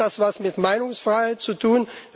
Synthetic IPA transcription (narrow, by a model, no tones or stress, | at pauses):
asvasmɪtmaɪnʊŋsfʁ̥aɪhaɪt̚t͡sutʰuːn